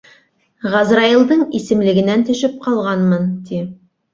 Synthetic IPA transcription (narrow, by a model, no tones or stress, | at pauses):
ʁɑzɾɑjilˠd̪ɤɴisɘ̆mlɘ̆ɡɘ̆nænt̪ɵ̆ʃɘp̚qɑlˠʁɑnmɤnt̪i